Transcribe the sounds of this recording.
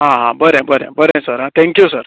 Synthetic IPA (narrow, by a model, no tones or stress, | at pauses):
ɦãɦãbəɾẽbəɾḛ̃bəɾẽsəɾɦãt̪ʰɛ̃ŋkjusəɾ